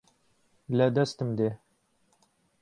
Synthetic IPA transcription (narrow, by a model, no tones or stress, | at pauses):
læd̪ɛst̪ɨmd̪eː